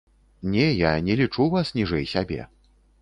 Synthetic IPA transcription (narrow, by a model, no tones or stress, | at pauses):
nʲɛjanʲɛlʲit͡ʂuvasnʲiʐɛjsʲabʲɛ̰